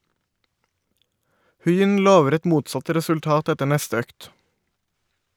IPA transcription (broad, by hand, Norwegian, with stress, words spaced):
ˈhʉɪʏn ˈloːʋəɾ ˈɛt ˈmuːtsɑt ˌɾɛsʉlˈtɑːt ˈɛtə ˈɳɛstə ˈøːkt